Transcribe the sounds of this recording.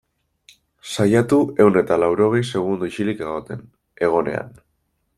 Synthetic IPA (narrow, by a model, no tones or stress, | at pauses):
sajat̪ue̞wne̞t̪alawɾo̞ɣ̞e̞jse̞ɣ̞und̪uiʃilike̞ɣ̞o̞t̪e̞n | e̞ɣ̞o̞ne̞a̰n